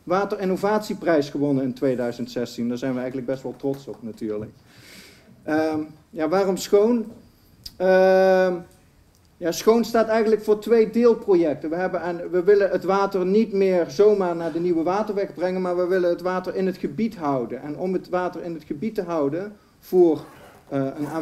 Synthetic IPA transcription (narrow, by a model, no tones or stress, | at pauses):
ʋaːtərɪnovaːtsiprɛjsχəʋɔnənɪntʋejdœɥzəntsɛstindaːɹzɛjnʋəɛjɣənləɡ̚bɛstʋɛlˠtrɔtsɔpnatyːɹlə̰k̚ | ə | jaːʋaːrɔmsχown | ə | jaːsχownstaːtɛjɣəntləkfʊːɹtʋejdɪːlˠprojɛk̚təʋəɦɛbəɛnʋəʋɪlənɦətʋaːtəɹnitmɪːɹzowmaːɹnaːɹdəniʋəʋaːtəɹʋɛɣbrɛŋənmaːɹʋəʋɪlənɦətʋaːtəɹɪnɦətχəbitɦʌwdənɛnɔmətʋaːtəɹɪnɦətχəbitəɦʌwdən | v̥ʊːr | əənaː